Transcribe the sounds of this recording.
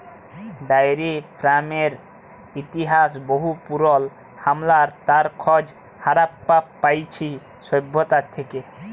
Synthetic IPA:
ɖajɾipʰɾameɾ | it̪iɦasboɦupuɾɔl | hamlaɾt̪aɾkʰɔd͡ʑ | haɾapːapːajt͡ɕʰi | sɔjbʱːot̪at̪ʰeke

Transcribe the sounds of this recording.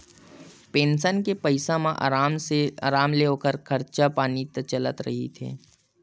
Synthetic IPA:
peːnsənkepɐɪsãmãʔaɾamseːɾaːmleoːkəɾkʰɐɾt͡ʃapaːnit̪ət͡ʃələt̪ɾɐ̰ɦḭt̪ʰḛː

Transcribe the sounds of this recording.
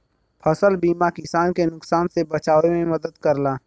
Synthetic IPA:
pʰɐsəlbiːmakɪsaːnkenʊksaːnsebɐt͡ʃaːʋemẽmɐd̪əd̪kɐɾlaː

